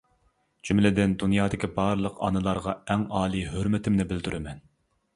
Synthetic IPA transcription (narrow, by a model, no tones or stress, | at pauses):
d͡ʒ̥ymlɪd̪ɪnd̪unjɑːd̪ɪkʲʰibɑɾlˠəqɑ̰nɨlˠɑɾʁɑɛŋɑːlˠiɦøɾmɪt̪ʰɪmnɪbɪld̪yɾɪmɛn